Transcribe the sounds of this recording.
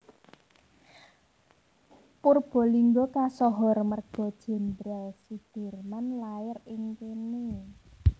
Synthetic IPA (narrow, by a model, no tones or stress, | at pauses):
purb̥ɔ̤liŋɡɔkasɔɦɔ̤rmərɡ̥ɔ̤d̥ʒ̥ɛ̤nd̪ɾalsid̪̥e̤rmanlaɪrɪŋkeni